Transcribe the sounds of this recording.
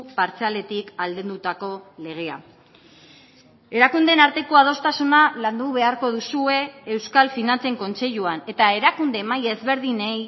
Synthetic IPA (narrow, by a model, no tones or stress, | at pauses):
paɾt͡seale̞t̪ikald̪end̪ut̪ako̞le̞ɣ̞e̞a̰ | e̞ɾakund̪e̞naɾt̪e̞ko̞að̞o̞st̪asunaland̪uβe̞aɾko̞ðusue̞ːwskalfinant͡se̞ŋko̞nt͡se̞ʎuane̞t̪ae̞ɾakund̪e̞majeːzβe̞ɾðinej